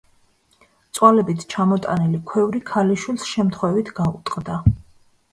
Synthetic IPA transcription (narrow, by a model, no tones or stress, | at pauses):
t̪sʼwalɛbit̪ʰt͡ʃʰamɔt̪ʼa̰nilikʰwɛvɾikʰaliʃwilsʃɛmt̪ʰχwɛvit̪ʰɡ̥aut̪ʼqʼd̪a